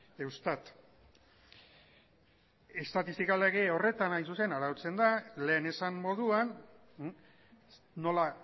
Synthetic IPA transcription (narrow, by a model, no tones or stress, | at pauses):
ewst̪at̪ | e̞st̪at̪ist̪ikaleɣeo̞re̞t̪anajsuse̞naɾaut͡se̞nd̪ale̞ːne̞sammːo̞ðuan | o̞la